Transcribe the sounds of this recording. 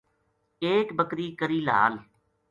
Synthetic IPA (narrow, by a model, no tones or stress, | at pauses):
eːkbəkɾiːkəɾiːla̰ːl